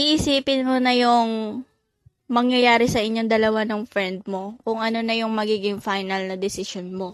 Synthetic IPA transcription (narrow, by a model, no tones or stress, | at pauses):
ʔiʔɪsiːpɪnmonɐjʊŋ | mɐŋjɐjaːɾɪsɐʔɪɲːo̞ŋd̪ɐlɐwanoŋfɹɛnd̪̚mo̞kʊŋʔɐno̞nɐjʊŋmɐɡiːɡɪŋfajnɐlnɐd̪ɪsɪʃonmo̞